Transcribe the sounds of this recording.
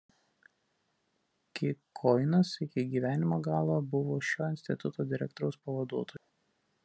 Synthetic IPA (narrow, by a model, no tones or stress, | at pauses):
kʲɪkʰɔɪnɐsɪkʲɪɡʲiːʋʲæːnʲɪmoːɡɑːlˠoːbʊʋoːʃʲoːɪnʲsʲt̪ʲɪt̪ʊt̪oːd̪ʲɪɾʲɛk̚t̪ɔɾɐʊspɐʋɐd̪uɔt̪oːju